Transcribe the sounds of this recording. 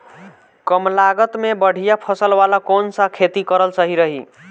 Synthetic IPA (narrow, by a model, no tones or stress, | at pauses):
kʌmlaɡət̪mebəɽ̤ʱijapʰʌsəlwalakonsãkʰet̪ikʌɾəlsʌɦiɾəɦḭ